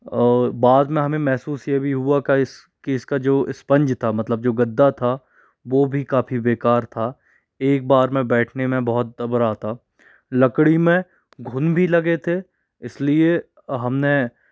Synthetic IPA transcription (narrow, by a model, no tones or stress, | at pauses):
baːd̪mẽɦɐmẽmɛɦsuːsjebʱiɦuakaɪs | kiɪskad͡ʒoːɪspɐ̃ɲd͡ʒt̪ʰamɐt̪ləb̚d͡ʒoːɡɐd̪ːat̪ʰa | ʋoːbʱikaːfibeːkaːɾt̪ʰaː | eːk̚baːɾmẽbɛːʈʰnemẽbɔɦʊt̪̚d̪ɐbəɾaːt̪ʰaː | lɐkɽimẽ | ɡʱʊnbʱilɐɡet̪ʰe | ɪslie | ɦɐmne